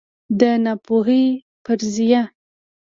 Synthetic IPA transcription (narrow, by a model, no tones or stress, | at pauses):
d̪ənapoɦe | pəɾzija